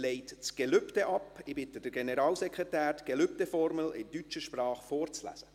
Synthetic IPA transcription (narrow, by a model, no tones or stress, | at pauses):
leɪtt͡sɡ̥ɛløptɛʔɑpɪbɪtəd̥əɾɡenəɾɑːlsɛkʁɛtæːɾɡ̥elʏp̚tɛfɔɾməlɪndyt͡ʃəʃprɑːχfoːɾt͡slæ̰sə